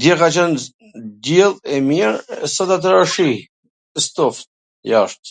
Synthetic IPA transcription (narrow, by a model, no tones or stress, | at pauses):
d̪ɛkat͡ʃan | d̪ɛlˠɛmiɾsat̪at̪̬ɾaʃi | st̪ɔft̪ | jaʃt̪